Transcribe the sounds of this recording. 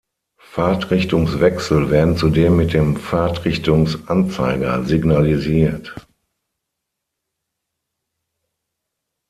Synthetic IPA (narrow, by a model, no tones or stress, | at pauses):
faɐtʁ̥ɪçtʊŋsv̥ɛksl̩vɛːɐdn̩t͡sudeːmːɪt̚d̥eːmfaɐtʁɪçtʊŋsʔant͡sa̰ɪɡɐzɪɡnaliziːɐt